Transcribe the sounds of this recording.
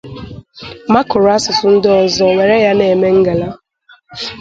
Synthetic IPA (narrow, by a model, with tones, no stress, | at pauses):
ma˦kʊ˨ɾʊ˨˦a˦sʊ˨sʊ˦n̩˦dɪ˦ɔ˨zɔ˨we˨ɾe˦ja˦ne˨me˦ŋ̩˦ɡa˨la˦